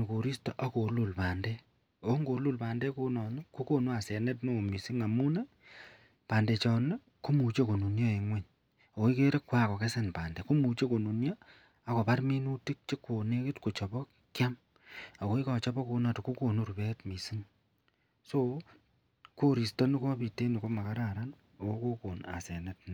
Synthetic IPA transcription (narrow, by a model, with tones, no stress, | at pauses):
n˨ko˨ɾi˦sto˦ʔa˨ko˨lu˨lpaː˨ndɛ˦ | o˨˦ŋɡo˨lu˦˨lpaː˨ndɛ˦ko˦nɔ˨ne˦ku˦ko˦nu˦a˨sɛ˨nɛ˦tno˦˨mi˨si˦ŋa˨mu˦ne˦ | paː˨nde˨t͡ʃɔ˨ne˦ | ku˦mu˨t͡ʃe˦ko˨nu˨njo˦e˨ŋwɛ˦˨ɲ | o˨ko˦i˦ke˦ɾe˦kwa˦ko˨ke˦se˨npa̰ː˨ndɛ˨ku˦mu˨t͡ʃe˦ko˨nu˨njɔ˦ | a˨ko˨pa˦ɾmi˦nu˦ti˦k̚t͡ʃe˦kːo˨ne˦kɪ˦tko˨t͡ʃɔ˨pɔ˦k | kja˦m | a˨ko˦i˦ka˨t͡ʃɔ˦pɔ˦ko˧na˨to˨ko˦ko˨nu˦ɾu˨pɛ˦tmi˨si˦ŋ | so˦ | ko˦ɾi˨stɔ˦ni˦ko˦pi˨te˦ni˨ko˦ma˨ka˦ɾa˨ɾa˦n | o˨ko˦ko˦ko˨na̰˨sɛ˨nɛ˦tn